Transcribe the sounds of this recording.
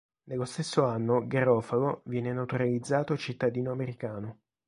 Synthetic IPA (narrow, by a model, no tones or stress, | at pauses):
nelːost̪esːoanːoɡeɾɔːfaɡovjɛːnenat̪uɾalid̪zːaːt̪ot͡ʃit̪ːad̪iːnoameɾikaːno